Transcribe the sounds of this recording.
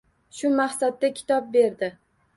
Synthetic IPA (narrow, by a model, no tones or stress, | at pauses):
ʃʊmaχsad̪̚ːakʲʰɪ̥t̪ʰɒb̚be̞ɾd̪ɪ